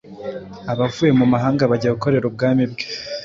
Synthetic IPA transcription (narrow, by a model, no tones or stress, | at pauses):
aβavuːje̞mumaɦaːŋɡaβaɟaβuko̞ɾe̞ɾub̚ɡaːmibɡe̥